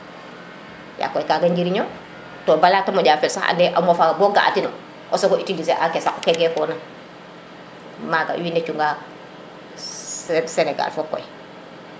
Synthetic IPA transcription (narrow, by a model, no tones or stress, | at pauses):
ja̰kːɔjkaɡaɲɟiɾiɲo | tobalaːtamoɟaːfɛlsaxa̰ndɛʔamofabɔɡa̰ʔa̰tino | ʔosoɡoitilis̬eʔakesakukeɡefɔna | maɡa̰windet͡ʃuŋɡa | seneɡa̰lfokːɔ̰j